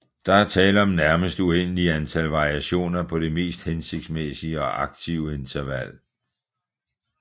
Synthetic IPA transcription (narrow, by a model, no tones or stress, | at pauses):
d̥ɑ̈æɐt͡sʰɛːləɒ̽mnæɐməsd̥uen̰əliænt͡sʰælʋɑ̈ʁiæɕo̝̰ːnɐpʰɒ̽ɾ̥e̝me̝̰ːsd̥hense̝ɡ̥̚d̥smesiəɒ̽ʔɑ̈ɡ̥̚t͡sʰiʊe̝nt͡sʰɐʋæl̰